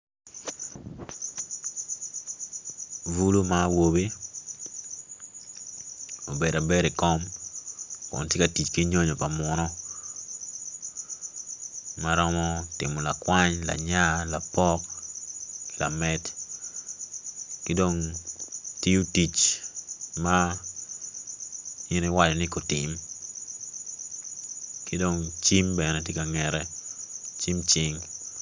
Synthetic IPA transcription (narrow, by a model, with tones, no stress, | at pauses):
vu˦lu˦mawo˨be˦ | o˨be˨da˨be˦ɾe˨kɔ˦m | kʊ̰˨ntje˦ka˨ti˨t͡ʃki˦ɲo˦ɲo˨pa˨mʊnɔ˦ | maɾɔ˦mɔ˦tɪ̰˨mɔ˨la˨kwa˦ɲla̰˨ɲa˦la˨pɔ˦k | la̰˨mɛ˦t | kɪ˦do˨ŋ | ti˦u˦ti˨t͡ʃ | ma | i˦ni˦wa˦d͡ʒɔ˨nɪ˦ko˨tɪ˨m | kɪ˦do˨ŋt͡ʃi˦mbɛnɛ˨tje˦ka˨ŋɛ˨ɾɛ˦ | t͡ʃi˦mt͡ʃɪ˦ŋ